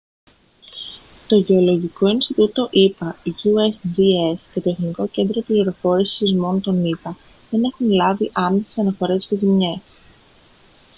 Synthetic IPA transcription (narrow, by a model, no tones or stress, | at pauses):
t̪o̞ʝe̞o̞lo̞ʝiko̞inst̪it̪ut̪o̞ʔipɐiʝuesd͡ziesce̞t̪oexniko̞ce̞nd̪ɾo̞pliɾo̞fo̞ɾisizmo̞not̪o̞nipɐ | ðe̞ne̞xunlɐviʔɐme̞sesɐnɐfo̞ɾe̞sfezimɲe̞s